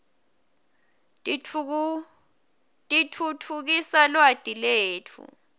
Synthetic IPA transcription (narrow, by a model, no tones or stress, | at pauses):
tʼitʰutʰuk̬isalwad̥ʼʱileːtʰṵ